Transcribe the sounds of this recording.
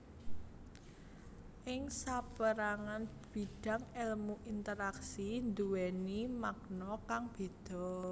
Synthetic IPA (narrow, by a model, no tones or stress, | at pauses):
ʔɪŋsapəɾaŋanb̥i̤ɖ̥ä̤ŋɛlmuʔint̪əɾaksind̪uwɛnimaɡnɔkaŋb̥e̤d̪̥ɔ̤